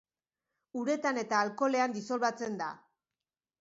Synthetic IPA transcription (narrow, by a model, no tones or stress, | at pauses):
uɾe̞t̪ane̞t̪aːlko̞le̞and̪iso̞lβat͡se̞nd̪a̰